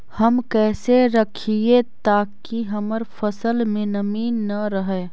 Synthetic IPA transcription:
hɐmkɛːseɾɐkʰiet̪aːkiɦɐməɾfɐsəlmẽnɐmiːnːɐɾəɦɛ

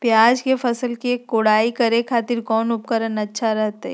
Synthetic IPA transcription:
pjaːd͡ʒkefɐsəlkiekːoːɽaːikɐɾekʰaːt̪ɪɾkɔːnʊp̚kəɾənɐtːʃʰaɾɛɦt̪ɦɛ̰

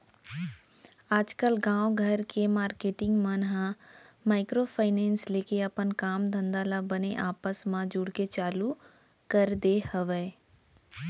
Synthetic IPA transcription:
aːd͡ʒkəlɡãːwɡʱəɾkemaːɾkeːʈɪ̃ŋɡmənɦãmaːɪkɾopʰaɪneːnsleːkeəpənkaːmd̪ʱə̃nd̪aːlabəneʔaːpəsmãd͡ʒuɽket͡ʃaːlu | kəɾd̪ehəʋe

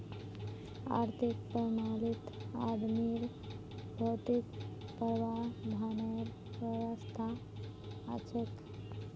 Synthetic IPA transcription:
a̰ɾt̪ʰik̚pɾəmalit̪a̰d̪miɾ | bʱot̪ikpəɾʋad̪ʱanəɾ | ʋəʋəst̪ʰa | a̰t͡ʃʰək

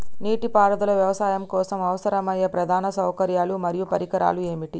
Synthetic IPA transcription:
niːʈipaːɾɐd̪ɐlɐʋjɐʋɐsaːjɐmkɔːsɐmɐʋɐsɐɾɐmɐjːɐpɾɐd̪ʱaːnɐsɐwkɐɾjaːlumɐɾijupɐɾikɐɾa̰ːlue̞ːmiʈi

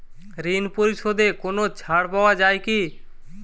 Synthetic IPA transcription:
ɾinpoɾiʃod̪ekonot͡ʃʰaɽpaoad͡ʑajki

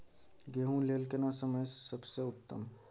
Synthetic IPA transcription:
ɡeɦũlelkenasəməjsəbseʊt̪ːə̰m

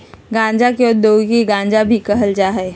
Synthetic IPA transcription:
ɡãːnd͡ʒakeʊd̪oːkiɡãːnd͡ʒabʱikəɦəld͡ʒaːɦɛː

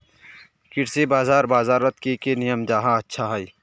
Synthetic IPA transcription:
kɪɽsebaːzaːɾbaːzaːɾət̪kekenijəmd͡ʒaːɦãɐtːʃʰaɦɐi

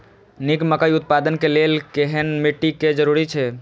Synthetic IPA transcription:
nikməkəiʊt̪̚pad̪ənkelelkeɦənmiʈːiked͡ʒəɾuɾit͡ʃʰɛ

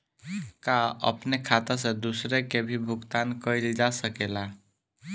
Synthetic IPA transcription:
kaə̰pnekʰat̪əs̬ẽd̪usɾekebʱibʱuɡt̪ankəjld͡ʒasəkela

